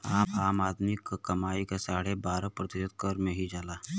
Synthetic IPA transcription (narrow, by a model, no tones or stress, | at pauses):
aːpʰaːmaːd̪mɪkkɐmaːikesaːɽebaːɾapɾət̪ɪʃəd̪kəɾmẽɦid͡ʒaːlaː